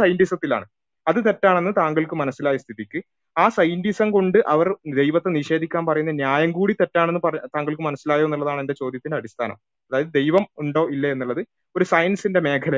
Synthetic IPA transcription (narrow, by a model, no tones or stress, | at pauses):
sɐjndisɐt̪ːila̰ːɳɨ | ɐðɨt̪e̞tːaːɳe̞nːɨt̪aːŋɡɐɭkɨmɐnɐsːilaːjɐst̪ʰiðikʲːɨ | aːsɐjndisɐmko̞ɳɖɨʔɐʋɐrd̪e̞jʋɐt̪ːeniʂe̞ːd̪ʱikʲːaːnpɐrɐjunːɐnjaːjɐmkuːɽit̪e̞tːaːɳenːɨpɐrɐt̪aːŋɡɐɭkɨmɐnɐsːilaːjoenːuɭːɐðaːɳe̞nde̞t͡ɕo̞ːd̪jɐt̪ːindeɐɽist̪ʰaːnɐ̰m | ɐðaːjɐðɨd̪e̞jʋɐmuɳɖo̞ːʔilːɐe̞nːuɭːɐðɨ | o̞ɾusɐjɐnsinde̞me̞ːkʰɐlɐ